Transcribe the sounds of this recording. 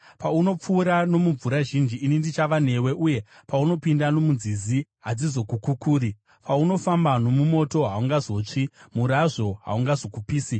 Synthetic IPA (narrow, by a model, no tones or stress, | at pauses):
pauno̞p͡fuːɾano̞muɱvuɾaʒind͡ʒiːnindit͡ʃaʋane̞we̞ʔuje̞pauno̞pindano̞munziziɦad͡zizo̞kukukuːɾi | pʰauno̞fambano̞mumo̞to̞ɦauŋɡazo̞t͡ʂimuɾaʐo̞ɦa̰uŋɡazo̞kupiːsi